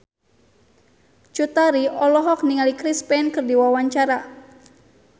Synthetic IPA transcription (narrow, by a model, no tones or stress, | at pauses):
t͡ʃut̪aɾiɔlɔɦɔk̚niŋalikɾispɛnkɨrdiwawaɲt͡ʃaɾa